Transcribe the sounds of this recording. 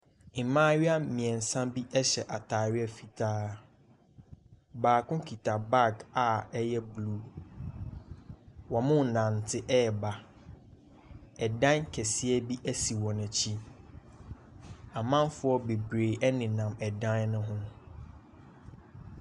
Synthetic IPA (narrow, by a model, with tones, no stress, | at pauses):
mãː˦ɥɪ˦a˦mĩ˨ɛ̃˨n˨sã˦bi˦ʔɛ˦ɕɛ˨ʔa˨tʰaː˨ɥɪ˦ɛ˨fi˨tʰaː˦ | baː˨kʊ̃˦kʰi˨tʰa˨ba˦˨ɡa˨ɛ˦jɛ˦blu˦ | wɔ˨mʊ̃˦˨nã˨n˨tʰɪ˦ʔɛ˦˨ba˨ | ɛ˨dã˦nkʰɛ˨sɪ˦ɛ˦bi˦ʔæ˦si˨wɔ̃˨nã˨t͡ɕʰi˦ | a˨mã˦mfʊ˦ɔ˦be˨bɾeː˨ʔɛ˦nɪ̃˨nã˨mɛ˨dã˦nnʊ̃˦ɦʊ̃˦